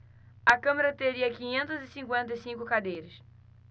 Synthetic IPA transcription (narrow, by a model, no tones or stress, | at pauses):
ɐkɐ̃meɾɐt̪eɾiɐkĩɲẽnt̪ʊzɪsĩŋkwẽnt̪̬ɐɪjsĩŋkʊkad̪ejɾɪs